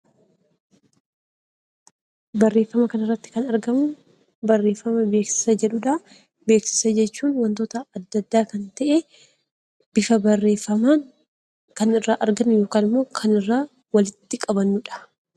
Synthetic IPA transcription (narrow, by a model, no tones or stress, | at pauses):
bɐrːe̞ːfːɐmɐkɐnɐrːɐt̪ːɪ̥kɐnɐɾɡɐmʊ | bɐrːe̞ːfːɐmɐbe̞ːksɪ̥sɐd͡ʒɛᶑʊᶑa | be̞ːksɪ̥sɐd͡ʒɛt͡ʃːuːnwɐnt̪o̞ːt̪ɐɐd̪ːɐd̪ːaːkɐnt̪ɐʔe | b̥ɪfɐbɐrːeːfɐmaːŋ | kɐnɪrːaːʔɐɾɡɐnːɪjo̞ːkaːnɪmːo̞ːkʰɐnɪrːaː | wɐlɪt̪ːɪkʼɐbɐnːʊᶑɐ̥